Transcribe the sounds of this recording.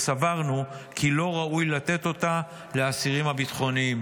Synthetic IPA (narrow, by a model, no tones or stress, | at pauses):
savaʁnukʰilo̞ʁaujlat̪e̞t̪o̞t̪a | leasiʁimhabit̪χo̞niim